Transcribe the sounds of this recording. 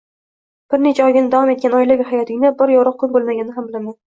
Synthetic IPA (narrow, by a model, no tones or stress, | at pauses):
b̥ɪɾnet͡ʃʰaɒjɡʲɪnɪd̪avɒme̞t̪̚kʲanɒjlɪvʲɪhajɒt̪ʰɪɡʲɪnabɪɾjɒɾɑq̚kʰːʊlbolˠmaɡʲanɪɦambɪlaman